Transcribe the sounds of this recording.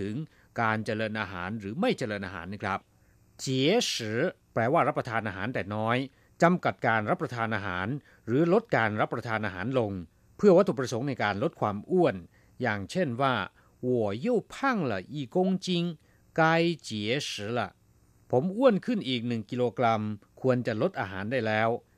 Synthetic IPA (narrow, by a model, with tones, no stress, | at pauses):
t̪ʰɯ˩˦ŋ | kaː˧nt͡ɕa˧lɤː˧nʔaː˧ɦa̰ː˩˦nɾɯː˩˦ma˥˩jt͡ɕa˧lɤː˧nʔaː˧ɦa̰ː˩˦nːa˧˥˩kʰa˦˥p̚ | t͡ɕi˨˩˦sɯː˩˦˥ | plɛː˧waː˥˩ɾa˦˥p̚ːɾa˧t̪ʰaː˧nʔaː˧ɦa̰ː˩˦nd̪ɛː˨˩nɔː˦˥j | t͡ɕa˧mka˨˩t̪̚kaː˧nɾa˦˥p̚ːɾa˧t̪ʰaː˧nʔaː˧ɦa̰ː˩˦n | ɾɯː˩˦lo˦˥t̪̚kaː˧nɾa˦˥pːɾa˧t̪ʰaː˧nʔaː˧ɦa̰ː˩˦nlo˧ŋ | pʰɯ˥˩ɐwa˦˥˩t̪ʰuː˨˩p̚ɾa˧so˩˦ŋna˧jkaː˧nlo˦˥t̪̚kʰwaː˧mʔu˥˩ən | jaː˨˩ŋt͡ɕʰe˥˩nwaː˥˩ | wu˨˩əju˥˩wpʰa˥˩ŋla̰˨˩ʔiː˨˩kːo˧ŋt͡ɕi˧ŋ | ka˧jt͡ɕiː˨˩˦e˦˥sɯː˩˦˥la˨˩ | pʰo˩˦mʔu˥˩ənkʰɯ˥˩nʔiː˨˩k̚nɯ˨˩ŋki˧loː˧kɾa˧mkʰu˧ənt͡ɕa˨˩lo˦˥t̪̚ʔaː˧ɦa̰ː˩˦ndaː˥˩jlɛː˦˥w